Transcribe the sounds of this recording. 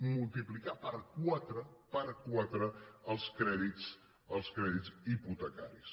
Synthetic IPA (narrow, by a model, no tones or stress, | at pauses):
mulˠt̪iplikapəɾkwat̪ɾəpəɾkwat̪ɾəəlˠskɾɛðit͡s | əlˠskɾɛðiziput̪əka̰ɾis